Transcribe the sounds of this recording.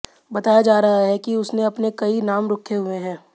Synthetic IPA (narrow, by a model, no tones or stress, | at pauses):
bɐt̪aːjad͡ʒaːɾɐɦaɦɛkiʊsneɐpnekɐinaːmɾoːkʰeɦʊeɦɛ̃ː